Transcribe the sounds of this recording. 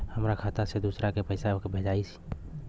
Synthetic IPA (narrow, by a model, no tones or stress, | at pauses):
həmɾakʰaːt̪ased̪uːsɾakepəɪsakbʱed͡ʒaːisi̥